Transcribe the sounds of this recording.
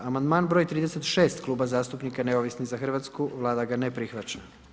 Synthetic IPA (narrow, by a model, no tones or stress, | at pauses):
amand̪maːnbɾojt̪ɾiːd̪e̞se̞t̪ʃe̞ːst̪klˠuːbazaːst̪upnikaneoʋisnizaxr̩ʋat̪skuʋlˠaːd̪aɡanepɾixʋat͡ɕa